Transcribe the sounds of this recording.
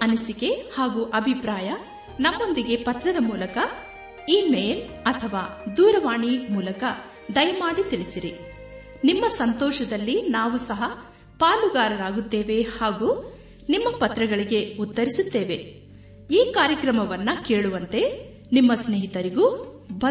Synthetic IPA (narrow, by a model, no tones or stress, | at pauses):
ɐnisike̞haːɡuːʔɐbʱipɾaːjɐ | nɐmːo̞nd̪iɡe̞pɐt̪ɾɐd̪ɐmuːlɐkɐ | iːmeːl | ɐt̪ʰɐʋaːd̪uːɾɐʋaːɳimuːlɐkɐ | d̪ɐjɐmaːɽit̪iɭisiɾi | nimːɐsɐnt̪ɔːʃɐd̪ɐlːinaːʋusɐɦɐ | paːluɡaːɾɐɾaːɡut̪ːeːʋe̞haːɡuː | nimːɐpɐt̪ɾɐɡɐɭiɡe̞ut̪ːɐɾisut̪ːe̞ːʋe̞ | iːkaːɾjɐkɾɐmɐʋɐnːɐke̞ːɭuʋɐnt̪e̞ | nimːɐsneːɦit̪ɐɾiɡu | bʱɐ